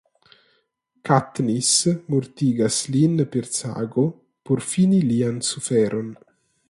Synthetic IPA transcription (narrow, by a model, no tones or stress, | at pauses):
kat̪nismuɾt̪iːɡaslinpeɾsa̰ːɡo | puɾfiːniliansufɛɾʔon